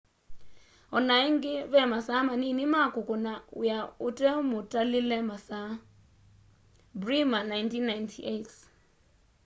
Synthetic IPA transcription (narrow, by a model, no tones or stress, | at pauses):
ɔnaiŋɡɪβɛmasamaninimakukʼɔnaṵjautʼɛmʊtʼalilɛmasa | brimanajntʰinːajntʰiʔet